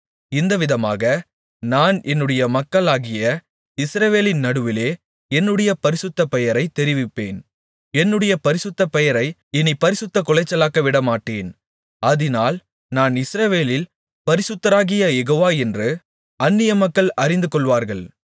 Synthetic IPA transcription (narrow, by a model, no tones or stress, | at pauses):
ɪnd̪ɐʋɪðɐmaːɣɐ | naːnɛnːɯɽɐjɐmɐkːɐɭaːɣɪjɐ | ɪsɾɐʋeːlɪnnɐɽɯʋɪleː | ɛnːɯɽɐjɐpɐɾɪsɯt̪ːɐpɛjɐɾɐɪt̪ɛɾɪʋɪpːeːn | ɛnːɯɽɐjɐpɐɾɪsɯt̪ːɐpɛjɐɾɐɪɛnipɐɾɪsɯt̪ːɐkʊlɐɪt͡ʃːɐlaːkɐʋɪɽɐmaːʈːeːn | ɐðɪnaːl | naːnɪsɾɐʋeːlɪl | pɐɾɪsɯt̪ːɐɾaːɣɪjɐjɛɣoːʋaːɛndrɯ | ɐnːɪjɐmɐkːɐɭɐɾɪnd̪ɯkɔɭʋaːɾɣɐɭ